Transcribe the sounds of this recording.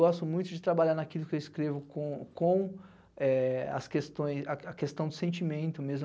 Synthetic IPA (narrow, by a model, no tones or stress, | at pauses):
ɡɔst̪ʊmũj̃t̪ʊd͡ʒɪt̪ɾabaʎaɾnakilʊkɪewɪskɾevʊkõkõw̃ | ɛɐ̰skest̪õj̃sɐɐkest̪ɐ̃w̃d̪ʊsẽnt͡ʃimẽnt̪ʊmezm